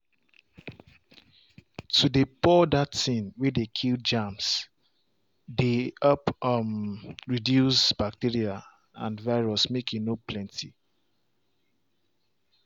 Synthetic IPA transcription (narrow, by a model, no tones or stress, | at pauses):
tʰudepɔdatsĩnwɛdekʰild͡ʒãms | deʌpmɹidjusbak̚tiɹia | ã̰nvaɪɹɔsmekʰjunoplɛ̃ntʰi